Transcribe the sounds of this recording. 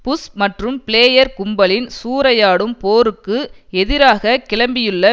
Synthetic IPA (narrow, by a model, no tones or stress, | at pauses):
pʊsmɐʈrɯmpɪleːjɐɾkʊmbɐlɪnsuːɾɐjaːɽɯmpoːɾɯkːɯɛðɪɾaːɣɐkɪɭɐmbɪjɯɭːɐ